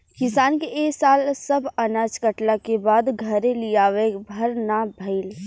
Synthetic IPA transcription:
kɪsaːnkeʔeːksaːlsɐbʱɐnaːd͡ʒkəʈlakebaːd̪ɡʱɐɾelijaːʋebʱɐɾnabʱɐɪl

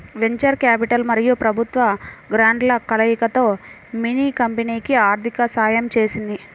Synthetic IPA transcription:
ʋeɲt͡ʃɐɾkaːpiʈɐlmɐɾijupɾɐbʱut̪ʋɐɡɾaːɳɖlɐkɐlɐjikɐt̪o̞ː | miniːkɐmpɐniːkiaːɾt̪ʰikɐsaːjɐmt͡ʃe̞ːsind̪i

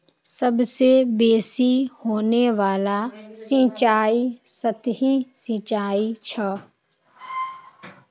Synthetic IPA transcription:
səbsebeːsihoːneʋaːlasĩt͡ʃaːisət̪ɦisɪ̃t͡ʃaːit͡ʃʰə

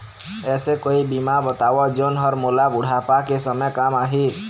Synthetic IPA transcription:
esekoibimabɔt̪awɔd͡ʒonɦɔɾmolabuɽ̤ʱapakesɔmjkamaɦi

